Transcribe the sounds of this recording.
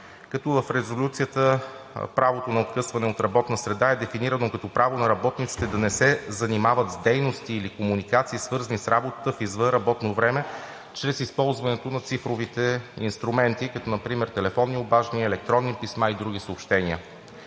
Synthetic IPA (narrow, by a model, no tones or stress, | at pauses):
kɐt̪ɔvəfɾɛzolʲut̪sijət̪əpɾavot̪onɐot̪̚kɤsvɐnɛot̪ɾɐbɔt̪nəsɾɛd̪aɛd̪ɛfiniɾənokɐt̪ɔpɾavonɐɾɐbɔt̪nit̪si̥t̪ɛd̪ɐnɛsɛzɐnimavət̪zd̪ɛjnost̪iːlikomunikat̪siːsvɤɾzənisɾabot̪ə̥t̪əfizvɤnɾɐbɔt̪novɾɛmɛ | t͡ʃɾɛsispɔlˠzvɐnɛt̪onɐt̪sifɾovit̪ɛḭnst̪ɾumɛnt̪ikɐt̪ɔnɐpɾimɛɾt̪ɛlɛfɔnːiobaʒniɛlɛk̚t̪ɾɔnːipismaid̪ɾuɡ̟isəopʃt̪ɛniə̰